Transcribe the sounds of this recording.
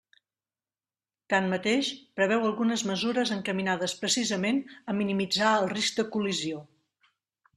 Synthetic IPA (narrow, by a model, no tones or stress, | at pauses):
t̪anmət̪eʃpɾəβɛwəlˠɣunəzməzuɾəzəŋkəminaðəspɾəsizəmenəminimid͡zaəlˠriz̚d̪əkulizio